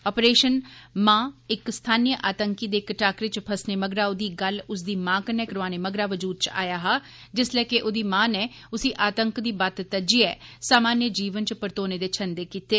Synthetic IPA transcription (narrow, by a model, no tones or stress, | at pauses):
ɔːpɾeːʃənmãːɪkst̪ʰaːniːjəʔaːt̪əŋkiːd̪eːkʈaːkɾɪt͡ʃpʰəsneːməɡɾaːʊd̪iːɡəlʊsd̪iːmãːkənɛːkəɾʋaːneːməɡɾaːʋəd͡ʒuːd̪̚t͡ʃa̰ːjaːɦaː | d͡ʒɪslɛːkɪʔʊd̪iːmãːnɛː | ʊsiːʔaːt̪əŋkd̪iːbət̪t̪əd͡ʒiːɛːsaːmaːnjəd͡ʒiːʋənt͡ʃpəɾt̪oːneːd̪eːt͡ʃʰənd̪eːkiːt̪eː